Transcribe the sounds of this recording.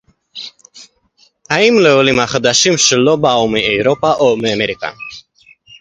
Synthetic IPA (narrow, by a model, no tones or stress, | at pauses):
aimlɛɔlimaχəd̪aʃimʃəlɔbaɔmiɛjɾɔpʼaʔɔmɛmɛɾikʼa̰n